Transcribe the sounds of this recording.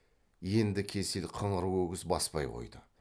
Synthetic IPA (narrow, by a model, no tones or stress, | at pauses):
je̞nd̪ɪkʲʰe̞sɪlqʰəɴəɾwɵɡʲɪzbɑspɑ̰jqʰo̞̰jd̪ə